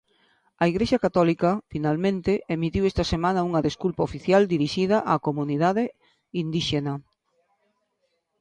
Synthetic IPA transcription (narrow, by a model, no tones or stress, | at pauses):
ɐiɣɾeʃɐkat̪ɔlikɐfinalmẽnt̪eʔemit̪iwest̪ɐsemãnɐuŋɐðeskulpɐofiθjald̪iɾiʃið̞ɐʔakomuniðaðe | ind̪iʃenɐ